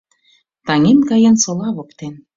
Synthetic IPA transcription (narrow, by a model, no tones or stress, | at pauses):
t̪ɑŋemkɑjə̆nsolɑβokt̪en